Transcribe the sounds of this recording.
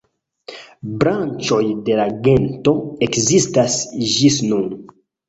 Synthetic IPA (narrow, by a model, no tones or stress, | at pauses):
bɾant͡ʃo̞jde̞laɡe̞nto̞e̞kzistasd͡ʒisnun